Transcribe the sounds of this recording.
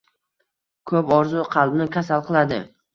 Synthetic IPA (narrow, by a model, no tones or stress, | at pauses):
kʰɵpɒɾzʊqʰɑlˠbnɪkʲʰasalˠqɨlˠad̪ɪ̰